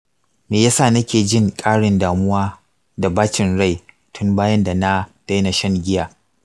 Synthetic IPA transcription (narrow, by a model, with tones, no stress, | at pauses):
meː˨jaː˦sa˦˨nɐ˦kʲeː˨d͡ʒɪ˦ŋkʼaː˦ɽɪ˨ndaː˨mʊ˦waː˦ | da˨baː˦t͡ʃɪ˨nɽa˦˨j | tʰʊ˦mbaː˦jɐ˦nda˨na˦d̥a˦jna˨ʃɐ˦˨ŋɡʲɪ˦jaː˨